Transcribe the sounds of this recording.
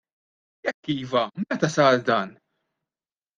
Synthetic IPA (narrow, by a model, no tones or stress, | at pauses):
jɛkːiːvɐmɛt̪ɐsɐːɾd̪ɐːn